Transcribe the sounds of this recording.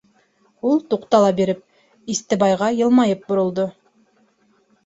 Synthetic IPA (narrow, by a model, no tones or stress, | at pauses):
ulˠt̪uqt̪ɑlˠɑbeɾɘp̚ | ist̪ɘbɑjʁɑjɤ̆lˠmɑjɤp̚buɾŭlˠd̪o